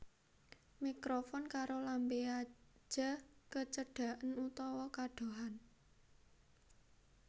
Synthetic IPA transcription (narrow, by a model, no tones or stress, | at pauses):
mikɾofɔnkaɾolambeḁd͡ʒ̥a̤kət͡ʃəɖ̥a̤ʔənut̪ɔwɔkaɖ̥o̤ɦan